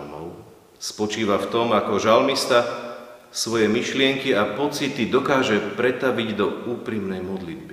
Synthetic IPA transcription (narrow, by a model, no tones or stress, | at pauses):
mɔ̰ʊ | spɔt͡ʃiːʋaft̪ɔmakɔʒalmist̪a | sʋɔjɛmiʃlɪɛŋkiapɔt͡sit̪id̪ɔkaːʒɛpɾɛt̪aʋiɟd̪ɔuːpɾimnɛjmɔd̪lid̪̚bi